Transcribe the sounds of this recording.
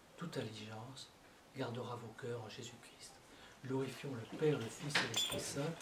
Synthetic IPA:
t̪ut̪aliʒɑ̃s | ɡaʁd̪əʁavokœːʁɑ̃ʒezykχist̪ | ɡlɔʁifjɔ̃ləpɛʁləfisdelɛspχisɛ̃

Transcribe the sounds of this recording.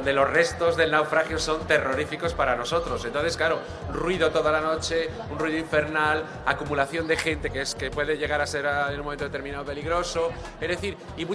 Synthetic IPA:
nd̪e̞lo̞zre̞st̪o̞zðe̞lnawfɾaxjo̞so̞nt̪e̞ro̞ɾifiko̞spaɾano̞so̞t̪ɾo̞se̞nt̪onθeklaɾo | unrwiðo̞t̪o̞ðalano̞t͡ʃe̞ | unrwiðoiɱfe̞ɾnal | akumulaθjo̞nd̪e̞xe̞nt̪e̞keeskepwe̞ðeʝe̞ɣaɾase̞ɾenunm̃ent̪ot̪eɾmĩnaope̞liɣɾo̞so̞ | ezðe̞θiɾ | imu

